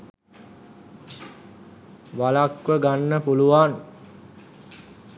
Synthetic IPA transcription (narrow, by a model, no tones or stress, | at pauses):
ʋalakʋəɡanːəpuluʋan